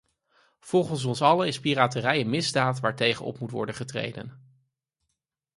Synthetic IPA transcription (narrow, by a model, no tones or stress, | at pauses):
v̥ɔlˠχəns̬ɔnsɑləɪspiraːtərɛjənmɪzdaːtʋaːɹtejχə̰nɔ̰pmutʋɔ̰ɹdənχətrḛjdə̰n